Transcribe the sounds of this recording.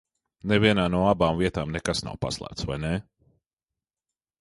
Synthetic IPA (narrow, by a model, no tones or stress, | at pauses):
nɛviɛnaːnuɔabaːmviɛt̪aːmnɛkasna̰wpa̰slˠæ̰ːt̪sva̰jnɛ